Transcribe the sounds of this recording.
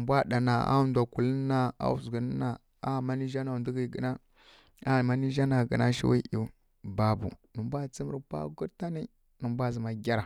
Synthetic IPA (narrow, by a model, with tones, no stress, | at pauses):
mbʷa˦ɗa˨na̰˨a̰˦u˦ndʷa˨ku˨lə˦na˦a̰˦u˨zɡə˨n˦na˨ | a˦˨ma˦ni˦ʒa˦na˨ndu˦ɡi˦˨ɡə˨na˦ | a˦˨ma˦ni˦ʒa˦na˨ɡə˨na˦ʃḭ˦wi˦ʔi˨ | ba˨bṵ˨nə˨mbʷa˦t͡si˦mə˦ɾpa̰˦ɡu˦ta˦ni˦ | nə˨mbʷa˦zə˨ma˨ɡʲa˦ɾa˨